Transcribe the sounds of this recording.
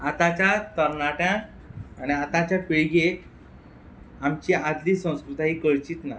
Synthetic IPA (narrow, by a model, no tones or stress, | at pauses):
at̪at͡ɕat̪əɾnaʈjãː | ñiat̪at͡ɕjapeɭɡe | amt͡ɕiad̪liːsə̃w̃skɾut̪aɦiːkəɭt͡ɕiːt̪na